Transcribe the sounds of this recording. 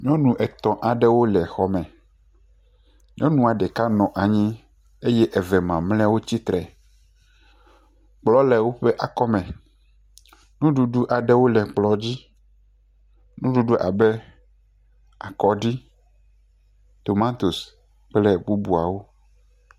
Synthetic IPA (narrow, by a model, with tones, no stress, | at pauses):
ɲɔ̃˦nũ˨ʔɛ˨t̪ɔ̃˨ʔa˨ɖɛ˦wo˦lɛ˨xɔ˦mɛ̃˨ | ɲʔɔ̃˦nũ˦˨a˨ɖɛ˨ka˦nɔ̃˨ʔa˨ɲĩ˦ | e˦jɛ˦ʔɛ˨vɛ˨mã˨mlɛ̃˦wo˦t͡ɕi˦t̪ɾɛ˨ | k͡plɔ˦lɛ˨wo˦ɸe˦ʔa˨kɔ˦mɛ̃˨ | nũ˦ɖu˨ɖu˦ʔa˨ɖɛ˦wo˦lɛ˨k͡plɔ˦d͡ʑi˦ | nũ˦ɖu˦ɖu˦ʔa̰˨bɛ˦ | a˨kɔ˨ɖi˦ | t̪o˨mã˦t̪o˨s | k͡plɛ˦bu˦bu˨a˨wo˦